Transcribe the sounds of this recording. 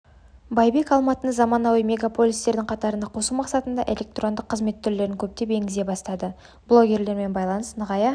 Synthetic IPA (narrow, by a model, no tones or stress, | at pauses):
bɑjbe̞kɑlˠmɑt̪ənəzɑmɑnɑwijmʲe̞ɡapʰo̞lʲijst̪e̞ɾd̪ɪŋqʰɑt̪ɑɾənɑqʰo̞sumɑqsɑt̪ənd̪ɑʔe̞lʲe̞k̚t̪ro̞nd̪əqʰːəzme̞t̪ʰːʏɾle̞ɾɪŋkʲʰɵp̚t̪e̞pe̞ŋɡʲɪze̞bɑst̪ɑd̪ə | blˠo̞ɡʲe̞ɾle̞ɾme̞nbɑjlˠɑnəsnəʁɑjɑ